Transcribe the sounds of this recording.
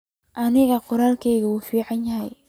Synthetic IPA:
ʔɐnɪɣɐqʊɾaːlkʰɛjɣɐwuːfiːʕɑnjɐɦɛj

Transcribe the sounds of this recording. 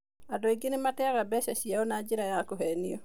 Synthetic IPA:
adɔiɡenematɛɣabɛʃaɕiaonad͡ʒiɾajakoɦɛniɔ

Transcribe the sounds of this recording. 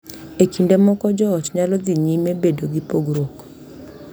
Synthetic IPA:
ekindemɔkɔd͡ʒɔːtɲalɔðiɲimebedoɡipoɡɾok

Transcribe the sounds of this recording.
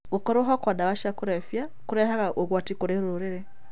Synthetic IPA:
ukɔɾoɦɔkwadaβaʃakuɾɛfjakuɾɛhaɣaʔoɣwatikoɾɛɾuɾoɾeɾɛ

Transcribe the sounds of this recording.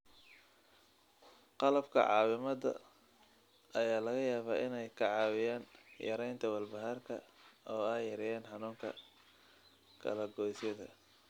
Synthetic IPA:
qɑlɐbkʰɐ̰ʕɑ̰ːwɪmɐdɐ̰ | ʔɐjaːlɐɣɐjaːβaːʔɪnɛjkʰɐʕɑːwɪjaːnjɐ̰ɾɛjnt̪ʰɐwɐlbɐɦarkʰɐ̰ɔːɛjːɐɾɛjɛːnħɑnuːŋkʰɐ | kʰɐ̰lɐɡɔːjsɐðɐ̰

